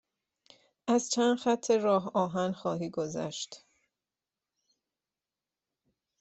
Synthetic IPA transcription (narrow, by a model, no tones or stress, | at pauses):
ʔæzt͡ʃʰænd̪xæt̪ʰːe̞ɾɒːɦɒːɦænxɒːɦiːɡozæ̰ʃt̪